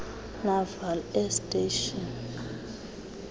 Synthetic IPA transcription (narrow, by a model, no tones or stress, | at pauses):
mavalɛstʼeʃɔn